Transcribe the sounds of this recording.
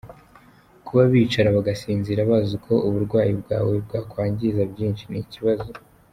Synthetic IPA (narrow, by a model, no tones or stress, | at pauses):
kuβaβiːt͡ʃaɾaβaɡasiːnziɾaβazokʰo̞ʔuβuɾɡwaːjibɡa̰ːweb̚ɡaːkwaːɲɟizabɟiːnʃiniciβazo